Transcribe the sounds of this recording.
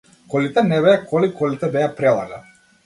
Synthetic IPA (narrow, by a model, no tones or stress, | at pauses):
kɔlit̪ɛnɛβɛakʰɔlikɔlit̪ɛbɛjapɾɛlˠa̰ɡa